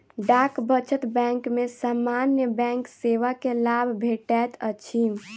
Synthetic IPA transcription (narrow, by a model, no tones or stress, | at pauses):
ɖakbət͡ʃət̪bɛ̃ŋkmesamanjəbɛ̃ŋkseʋakelabʱbʱeʈɛt̪ət͡ʃʰim